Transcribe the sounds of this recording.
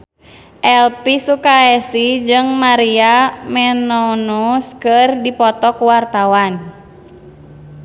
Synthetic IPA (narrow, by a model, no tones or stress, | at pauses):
ʔɛlpisukaɛsid͡ʒɨŋmaɾiamɛnɔnuskɨrdipɔt̪ɔkuwart̪awan